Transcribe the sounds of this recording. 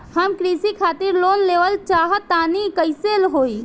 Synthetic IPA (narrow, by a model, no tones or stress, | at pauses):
həmkɾisikʰaːt̪iɾlonleʋəlt͡ʃaːɦt̪aːnikəɪselɦoːi